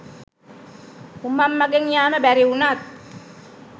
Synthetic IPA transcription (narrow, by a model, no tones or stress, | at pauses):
umːamːaɡeŋjaːməbæɾiunat̪̚